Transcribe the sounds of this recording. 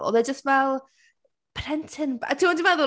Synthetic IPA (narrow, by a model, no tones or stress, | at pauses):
ɔ̰ðɛd͡ʒəstvɛlˠ | pʰrɛntʰɪnba̰tʰiwɔndivaðʊ